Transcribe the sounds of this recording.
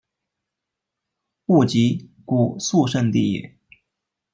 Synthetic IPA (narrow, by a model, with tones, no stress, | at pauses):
pu˥˩t͡ɕi˧˥ku˨˩su˥˧ʂə˥˧nt̪ḭ˥˩˨